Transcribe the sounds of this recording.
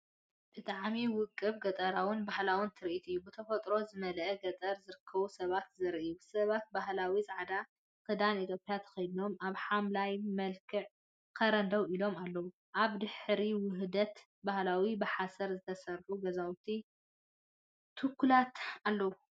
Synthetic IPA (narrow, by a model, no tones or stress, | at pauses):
b̥ɨt̪ʼaʕmiwʊkʼːɨβɡɐt̪ʼɐɾawɨnbahlawɨnt̪ʰɨɾʔit̪ɨjːubɨt̪ʰɐfɐt̪ʼɾo̞zɨmɐlʔɐɡɐt̪ʼɐɾzɨɾɨkʰːɐβusɐβat̪zɨɾijusɐβat̪̚baɦlawizaʕad̪a | kʰɨd̪anit̪ʰjopʼjat̪ʰɐ̥xɐjno̞maβħamlajmɐlkʰɨʕ | kʰɐɾɐnd̪ɐwilo̞malːɐwu | ʔaβd̪ɨħɾiwɨɦd̪ɐt̪ | bahlawibɨħasɐɾzɨt̪ʰɐsɐɾħuɡɐzawt̪ʰi | t̪ʰɨkʰːulat̪alːɐwu